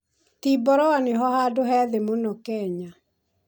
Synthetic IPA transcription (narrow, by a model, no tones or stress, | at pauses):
t̪ibɔɾɔwanɪɦɔhadʊhɛðemonɔkɛɲa